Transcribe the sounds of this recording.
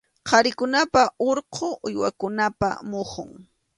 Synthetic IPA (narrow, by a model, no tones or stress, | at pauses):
qʰɑɾɪkʊnapaoɾqʰoʔʊjwa̰kʊnapa̰moχʊŋ